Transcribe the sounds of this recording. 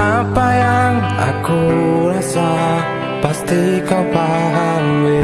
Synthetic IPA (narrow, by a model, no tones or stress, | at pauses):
apajaŋ | a̰kuɾasa | past̪ikawpaɦanwe